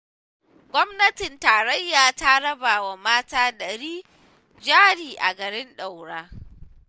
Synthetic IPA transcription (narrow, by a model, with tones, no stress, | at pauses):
ɡʷɔ˦mnɐ˦tɪ˨ntaː˨ɾɐ˦jːaː˨ta˦ɽɐ˦baː˨wa˨maː˦taː˦dɐ˨ɽiː˦ | d͡ʒaː˦ɽiː˨ʔa̰˨ɡɐ˨ɽɪ˦nɗa˨wɽaː˦